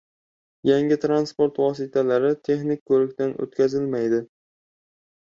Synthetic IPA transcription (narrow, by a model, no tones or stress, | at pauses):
jaŋʲɪt̪ʰɾanspoɾt̪vɒsɪt̪ʰalaɾɪt̪ʰe̞χnɪk̚ʲkʰɵɾɪkʲt̪ano̰t̪kʲʰazɪlmajd̪ɪ